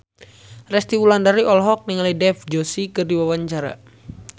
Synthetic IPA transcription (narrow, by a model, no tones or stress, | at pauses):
rɛst̪iwulandaɾiʔɔlɦɔk̚niŋalidɛfd͡ʒosikɨrdiwawaɲt͡ʃaɾa̰